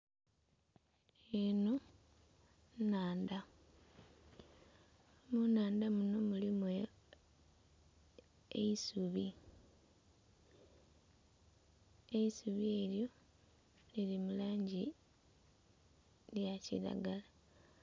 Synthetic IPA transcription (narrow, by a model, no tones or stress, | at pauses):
eno̞ | naːnda | munaːnd̪amuno̞mulimwejo | ḛisuβi | eisuβieːljo̞ | lilimulaːɲɟi | ljacḭla̰ɡala